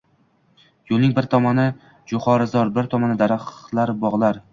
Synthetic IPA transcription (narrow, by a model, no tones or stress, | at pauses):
jolnɪŋbɪɾt̪ʰɒmanɪ | d͡ʒʊχɒɾɪzɒɾbɪɾt̪ʰɒmanɪd̪aɾaχlaɾbɒʁlˠaɾ